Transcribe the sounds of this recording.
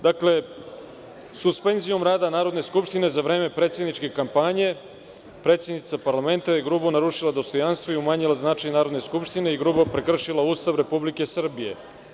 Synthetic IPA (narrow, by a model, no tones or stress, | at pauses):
d̪akle̞ | suspenzijo̞mɾaːd̪anaːɾo̞d̪neskupʃt̪ine̞zaʋɾe̞ːme̞pɾe̞ːt̪sjed̪nit͡ʃke̞kampaɲe̞ | pɾe̞ːt̪sjed̪it̪sapaɾlame̞nt̪ajeɡɾubunaɾuʃilˠad̪o̞st̪o̞janst̪ʋoiumaɲilaznat͡ʂajnaːɾo̞d̪ne̞skupʃt̪ine̞iɡɾubopɾekr̩ʃilˠauːst̪aʋɾe̞publike̞sr̩bije̞̰